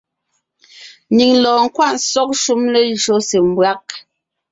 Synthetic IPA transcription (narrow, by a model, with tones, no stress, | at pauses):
ni˨ŋlɔː˨ŋ̩˦kwa˦ʔn˦sɔ˦k̚ʃu˦mlɛ˦ʒo˨˦se˨m˦bwa˦k̚